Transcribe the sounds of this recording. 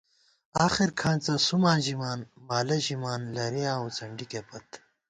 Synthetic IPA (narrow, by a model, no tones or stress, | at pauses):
aːxiɾkʰãːnt͡sɐsumãːnʑimaːnmaːlɐʑimaːnlɐɾejãːut͡sɐɳɖikepɐt̪